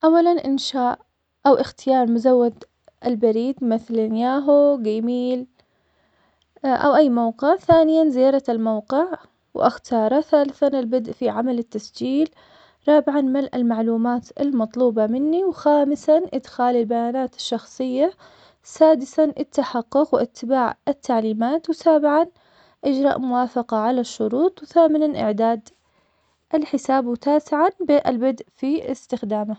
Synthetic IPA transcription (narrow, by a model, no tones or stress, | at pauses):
ʔawːalanʔɪnʃaːʔ | ʔawʔɪxt̪ɪjɑːɾˤmʊzawːad̪ | ʔɪlbaɾiːd̪mɪθlanjaːɦuɡamiːl | ʔa̰wʔajːmawqɪʕθaːnɪjanzɪjaɑːɾˤɑlmawqɪʕ | wʔa̰xt̪ʰɑːɾˤɑθaːlɪθanɪlbɪd̪ʔfiʕamalɪt̪ːasd͡ʒiːl | ɾˤɑːbɪʕanmalʔɪlmaʕluːmaːt̪ɪlmɑt̪ˤluːbɑmɪnːiwxaːmɪsanʔɪd̪xaːlɪlbajaːnaːt̪ɪ̥ʃːɑxsˤɨjːa | saːd̪ɪsanʔɪt̪ːaħɑqːʊqwʔɪt̪ʰːɪbaːʕɪt̪ːaʕliːmaːt̪wsaːbɪʕan | ʔɪd͡ʒɾˤɑ̰ːʔmʊwaːfɑqɑʕalaʃːʊɾuːt̪ˤwθaːmɪnanʔɪ̰ʕd̪aːd̪ | ʔɪlħɪsaːbwɪt̪aːsɪʕanbɪʔɪlbad̪ʔfiɪst̪ɪxd̪aːma